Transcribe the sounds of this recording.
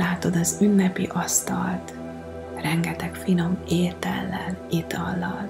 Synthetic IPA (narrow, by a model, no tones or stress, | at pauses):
aːt̪o̞d̪ɒzynːɛpiʔɒst̪ɒlt̪ | rɛŋɡɛt̪ɛkfilo̞meːt̪ɛ̰lːɛnit̪ɒlːɒl